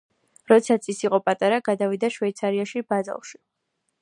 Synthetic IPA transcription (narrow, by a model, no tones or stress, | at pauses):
ɾɔt̪sʰat̪sʰisiqʼɔpʼat̪ʼaɾaɡad̪avid̪aʃwɛjt̪sʰaɾiaʃibaza̰lˠʃi̥